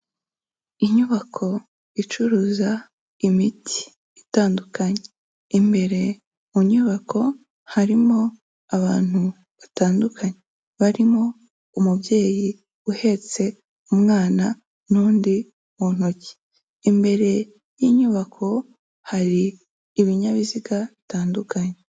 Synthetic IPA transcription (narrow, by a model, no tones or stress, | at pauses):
iɲuβakʰo̞ | it͡ʃuɾuːza | imitʰi̥ | itaːndukaɲe | imbe̞ɾe̞ | muɲuβakʰo̞ | haɾimo̞ | aβaːn̥hu | βataːndukʰaɲe | βaɾimo̞ | umubje̞ːji | uhe̞t͡se̞ | umŋaːna | nuːndi | mun̥ho̞ci̥ː | mbe̞ɾe̞ | jiːɲuβakʰo̞ | haɾiː | βiɲaβiziɡaβitaːndukaɲe